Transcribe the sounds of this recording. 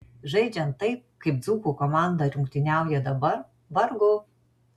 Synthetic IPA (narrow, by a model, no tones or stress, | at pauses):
ʒɐɪd͡ʒʲɛnt̪ːɐɪp̚kɐɪp̚d̪zuːkuːkɔmɑˑnd̪ɐɾʲʊŋʲkt̪ʲɪnʲæˑʊjɛd̪ɐbɐɾ | ʋɐɾɡʊ